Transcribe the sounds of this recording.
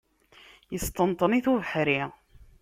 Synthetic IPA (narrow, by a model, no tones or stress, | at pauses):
jəst̪ənt̪ˤəniθuvəħɾi